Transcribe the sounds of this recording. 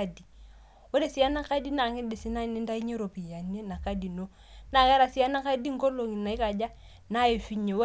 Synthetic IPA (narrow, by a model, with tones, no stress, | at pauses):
a˦di˨ | wo˦de˦˨si˨˦a˦na˦ka˦di˦na˨ŋɪ˦de˨si˦na˦ni˦nda˦i˦ɲe˦ɾo˨pi˨ja˨n˦e˦na˨ka˦di˨no˦ | na˨kɛ˦ɾa˨si˦a˦na˦ka˦di˦ŋ̩˦ɡo˦lo˨ŋi˨na˨i˦ka˨d͡ʒa˦ | na˦e˨fi˦ɲe˨w